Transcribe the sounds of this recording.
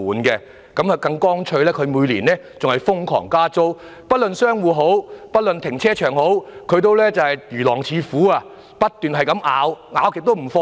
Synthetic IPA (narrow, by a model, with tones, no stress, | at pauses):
uː˨˥nkɛ˧ | kɐ˨˥mɐ˨kɐ˧ŋkɔː˥ŋt͡ʃʰɵ˧ɥlɛː˥kʰɵ˨˧ɥmuː˨˧jliː˨˩nlɛː˥t͡sʊ˨ŋhɐ˨˩jfʊ˥ŋkʰɔ̰ː˨˩ŋkaː˥t͡so˥wpɐ˥t̚lɵ˨nsœː˥ŋwuː˨˧ɦo˨˥wpɐ˥t̚lɵ˨nt̪ʰɪ˨˩ŋt͡sʰɛː˥t͡ʃʰœː˨˩ŋho˨˥wkʰɵ˨˧ɥt̪o˥˧˥wlɛː˥t͡sɐ˨whɐ˨jjyː˨˩lɔː˨˩ŋt͡sʰiː˨˧fuː˨˥aː˧ | pɐ˥t̚t̪ːyː˨˩nɦɐ˨jkɐ˨˥mʔaː˨˧˥wŋaː˨˧wkɪ˨t̪o˥wm̩˨˩fɔː˧